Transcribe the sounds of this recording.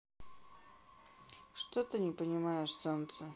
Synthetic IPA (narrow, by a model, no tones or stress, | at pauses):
ʂt̪ot̪ɨnʲɪpənʲɪmajɪʂsont̪sə